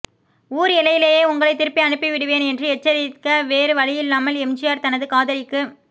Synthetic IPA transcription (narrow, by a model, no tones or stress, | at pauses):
uːɾɪlɐjɪleːjeːʊŋɡɐɭɐɪt̪ɪɾɯpːiɐnɯpːiʋɪɽɯʋeːnɛndrɯɛt͡ʃːɐɾɪkɐʋeːɾɯʋɐɻɪjɪlːaːmɐlɛmd͡ʒɪjaːɾt̪ɐnɐðɯkaːðɐɾɪkːɯ